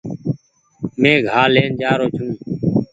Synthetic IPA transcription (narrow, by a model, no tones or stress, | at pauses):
mẽːɡʱaːleːnd͡ʒaːɾoːt͡ʃʰũː